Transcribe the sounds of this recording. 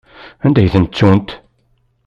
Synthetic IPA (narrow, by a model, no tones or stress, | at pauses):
ænd̪æjθənt͡sːunt̪